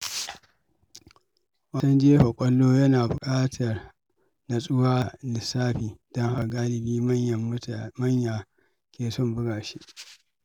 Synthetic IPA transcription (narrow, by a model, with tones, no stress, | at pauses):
wɐ˨sɐ˦nd͡ʒɪ˦je˦ɸɐ˨kʷʼɔ˦lːoː˦jɐ˦naː˨bʊ˨kʼaː˦tʰɐ˨r | na˨sʼʊ˦waː˦˨nɪ˨saː˦ɸiː˨d̥ɔ˦ŋha˦ɡaː˦lɪ˨biː˦mɐ˦ɐ˨˦mɐ˦ɲjaː˨ | kʲʰeː˨sɔ˦˨mbʊ˦ɡaː˨ʃi˦ʔ